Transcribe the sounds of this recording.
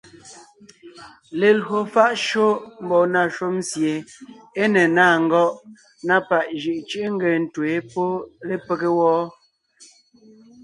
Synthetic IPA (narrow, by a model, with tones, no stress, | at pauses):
le˨lɦo˨fa˦ʔʃo˦m̩˨˦bɔ˨na˦˨ʃo˦m˦sje˨ | e˦nɛ˨naː˦˨ŋ̩˦˨ɡɔ˦ʔ | na˦pa˨ʔʒi˨ʔt͡ʃi˦ʔŋ̩˦ɡe˨n̩˨twe˨˦po˦le˦pe˦ke˦wɔː˦